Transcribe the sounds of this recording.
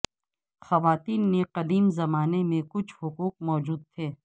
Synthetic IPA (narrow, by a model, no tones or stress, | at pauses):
xɐʋaːt̪iːnːeqɐd̪iːmzɐmaːnemẽkʊt͡ʃʰhʊquːq̚mɔːd͡ʒuːd̪̚t̪ʰeː